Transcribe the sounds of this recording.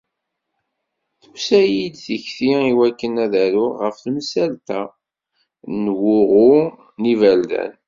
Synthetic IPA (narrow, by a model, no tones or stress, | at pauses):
θusæjid̪θəçθiiwækːənæðæɾʊʁəfθmsælt̪æ | nwʊʁʊ | nivæld̪æ̰n